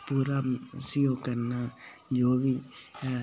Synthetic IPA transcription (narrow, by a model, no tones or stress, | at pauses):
puɾamsɪjoːɡkəɾnad͡ʒoːbi